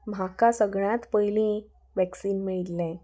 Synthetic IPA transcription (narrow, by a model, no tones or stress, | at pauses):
m̤ʱakasəɡɭãt̪pəjlĩ | ʋæksiːnmiɭt̪lẽ